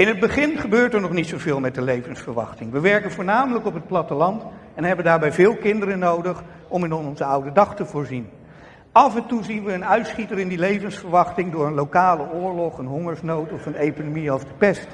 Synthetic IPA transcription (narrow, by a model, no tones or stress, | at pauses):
ɪnɦəd̚bəχɪnχəbøːɹtɛɹnɔχnitsowvɪːlˠmɛt̚dəlejvənsfəɹʋɑ̰χtɪŋʋəʋɛɹkənvʊːɹnaːmələkɔpɦət̚plɑtəlɑnt | ɛnɦɛbəndaːɹbɛjvɪːlˠkɪndəɾənowdəχ | ɔmɪnɔnɔnzəʌwdədɑχtəvʊːɹzin | ɑvəntuzinʋəːnœɥtsχitəɾɪndilejvənsfəɹʋɑχtɪŋdʊːɹənlowkaːləʊːɹlɔχənɦɔŋəɹsnowtɔfənejkonomiɔvdəpɛst